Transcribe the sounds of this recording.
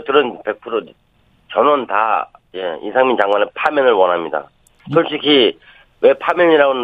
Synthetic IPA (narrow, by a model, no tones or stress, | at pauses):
kɯɾɯnpe̞k̚pʰɯɾo | t͡ɕʌnʌnta̰ | je̞ḭsʰaŋmint͡ɕaŋɡwanepʰamjʌnɯɭwʌnɦamɲida̰ | sʰoɭt͡ɕ͈ʰikʰi | we̞pʰamjʌɲiɾaɡon